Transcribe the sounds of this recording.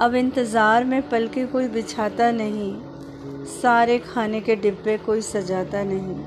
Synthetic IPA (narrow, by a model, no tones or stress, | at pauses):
ɐbɪ̃nt̪ɪzaːɾmẽpɐlkekoːibɪt͡ʃʰaːt̪anɐɦĩ | saːɾekʰaːnekeɖɪbːẽkoːisɐd͡ʒaːt̪anɐɦĩː